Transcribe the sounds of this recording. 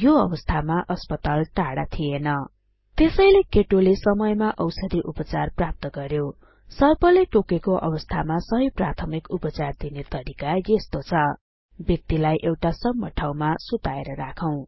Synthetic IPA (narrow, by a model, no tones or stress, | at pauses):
joʌbʌst̪ʰamaʔʌspʌt̪alʈaɽa̰t̪ʰienʌ | t̪esʌjlekeʈolesʌmʌjmaʔʌwsʌd̪iʔupʌt͡sarprap̚t̪ʌɡʌɾjo | sʌrpʌleʈokekoʔʌ̰bʌst̪ʰamasʌɦʌjprat̪ʰʌmikupʌt͡sard̪inet̪ʌɾikajest̪ot͡sʰʌ | bjʌk̚t̪ilajʔewʈasʌbmːʌʈʰawmasut̪aeɾʌɾakʰʌw̃